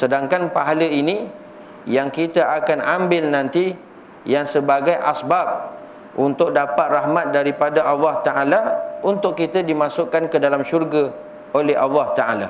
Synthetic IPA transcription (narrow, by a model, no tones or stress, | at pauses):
sədaŋkanpaɦaləini | jaŋkit̪aʔakanambɪlnãnt̪i | jaŋsəbaɡajʔasbab̚ | ʔunt̪ʊk̚dapat̪̚rahmat̪̚daɾipadaʔɑlːɑht̪aʔalaunt̪ʊkːit̪adimãsʊʔkːankədalamʃurɡa | olɛɦɑlːɑht̪aʔala